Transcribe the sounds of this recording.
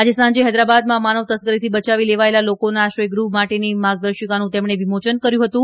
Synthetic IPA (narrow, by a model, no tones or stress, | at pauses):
ad͡ʒesãɲd͡ʒeɦɛd̪ɾabad̪mãmanəʋt̪əsɡəɾit̪ʰibət͡ʃaʋileʋaelalokonaʃəjɡɾuɦmaʈenimaɾɡ̚d̪ɾəɾʃəkanũt̪emɳeʋimot͡ʃənkəɾjũɦət̪ũ